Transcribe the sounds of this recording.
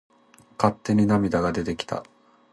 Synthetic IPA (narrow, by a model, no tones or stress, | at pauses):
kat̪ːe̞ɲ̟inamʲid̪aɡad̪e̞t̪e̞kʲi̥t̪a̰